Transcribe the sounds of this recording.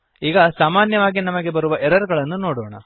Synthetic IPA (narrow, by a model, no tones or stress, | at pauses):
iːɡɐsaːmaːnjɐʋaːɡinɐmɐɡe̞bɐɾuʋɐʔeɾɐɾɡɐɭɐnːuno̞ːɽoːɳɐ̰